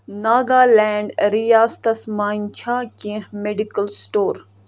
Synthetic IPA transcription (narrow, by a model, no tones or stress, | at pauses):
naːɡaːlɛːɳɖɾijaːst̪ɐsmaːnt͡ʃʰaːkĩɦmeɖikəlsʈoːɾ